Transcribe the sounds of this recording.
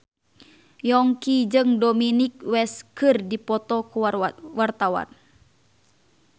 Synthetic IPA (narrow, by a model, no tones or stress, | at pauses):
jɔŋkid͡ʒɨŋdominik̚wɛskɨrdipɔt̪ɔkuwart̪awa̰n